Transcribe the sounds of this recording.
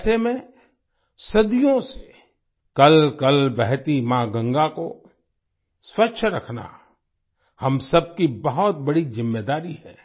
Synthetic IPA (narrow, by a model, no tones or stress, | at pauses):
semẽ | sɐd̪ijõse̥ | kɐlkɐlbɛɦt̪imãːɡɐ̃ŋɡako | swɐtːʃʰɾɐkʰna̰ | hɐmsɐb̚kibɐɦɔt̪̚bɐɽizɪmːeːd̪aːɾihɛ̰ː